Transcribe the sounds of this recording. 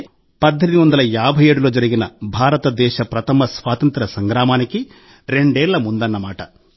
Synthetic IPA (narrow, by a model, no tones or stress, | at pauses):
pɐd̪ːend̪iʋɐnd̪ɐlɐjaːbʱɐje̞ːɽulo̞ːd͡ʒɐɾiɡinɐbʱaːɾɐt̪ɐd̪ɛːʃɐpɾɐt̪ɐmɐsʋaːt̪ɐnt̪ɾɐsɐŋɡɾaːmaːniki | ɾe̞ɳɖeːɭːɐmund̪ɐnːɐmaːʈɐ